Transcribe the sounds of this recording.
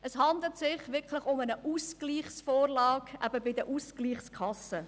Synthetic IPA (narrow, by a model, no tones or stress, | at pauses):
əshɑnd̪l̩tsɪχʋɪɾkχlɪχʊmənəʔuskliːχsfoːɾlɑːkʔæ̰b̥əbɪd̪əʔuskliːχskʰɑsə